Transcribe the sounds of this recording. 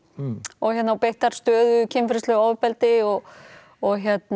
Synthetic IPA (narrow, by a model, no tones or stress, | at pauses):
ɔɣçjɛt̪nawpejht̪aɾ̥st̪œːðʏcʰɛmfɪɾɪst̪lœɣoːwvʏpɛlt̪ɪɔɣ | ɔɣçjɛt̪n